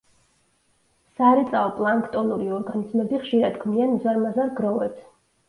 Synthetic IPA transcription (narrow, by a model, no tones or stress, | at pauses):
saɾɛt̪sʼaɔpʼlˠaŋkʰt̪ʼɔnuɾiɔɾɡanizmɛbiχʃiɾad̪ɡmianzaɾmazaɾɡɾɔvɛps